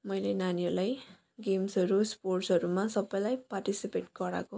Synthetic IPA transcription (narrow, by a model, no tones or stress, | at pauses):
mʌjlenaniʌrlaj | ɡemsɦʌɾusporʈsɦʌɾumasʌbʌjlajparʈisipeʈɡʌɾa̰ko